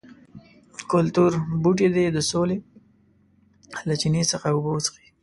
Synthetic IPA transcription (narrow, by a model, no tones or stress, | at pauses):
kʊlt̪uɾbuʈ̬ed̪ed̪əsole | lat͡ʃinesəxaʊbosxi